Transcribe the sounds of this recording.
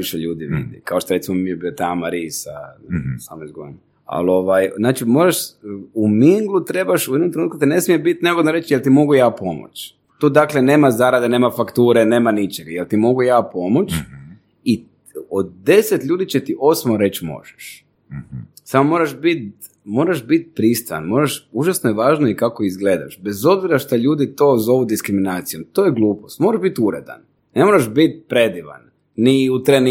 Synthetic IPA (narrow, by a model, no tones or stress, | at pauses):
iʃeʎuːd̪iʋḭd̪ḭkaoʃt̪oɾe̞t̪imomiebiot̪amaɾiːsa̰samoizɡoin | a̰lo̞ʋajznaːt͡ʃimo̞ːɾaʃumiŋɡlut̪ɾe̞baʃujed̪nomt̪ɾenuːt̪kut̪ine̞smijebit̪neɡod̪noɾet͡ʃjelt̪imo̞ɡujaːpo̞mo̰t͡ʃ | t̪oːd̪aklene̞ːmazaɾad̪ene̞ːmafakt̪uːɾene̞ːmanit͡ʃeɡajelʲt̪imo̞ɡujaːpo̞mot͡ʃ | i | od̪̚d̪e̞set̪ʎʲuːd̪it͡ʃet̪iʔo̞smoɾe̞t͡ɕmo̰ʒe̥ʃ | samomo̞ɾaʃbit̪ | mo̞ːɾaʒbit̪̚pɾist̪aa̰nmo̞ːɾaʃuʒasnojeʋaːʒnoikako̞izɡle̞ːd̪a̰ʃbe̞zo̞bziɾaʃt̪aʎuːd̪it̪o̞ːzo̞ʋud̪iskɾiminaːt̪sijo̞mt̪oːjeɡlˠuːpost̪mo̞ɾaʒbit̪uɾed̪a̰n | ne̞mo̞ɾaʒbit̪̚pɾed̪iʋa̰n | niut̪ɾen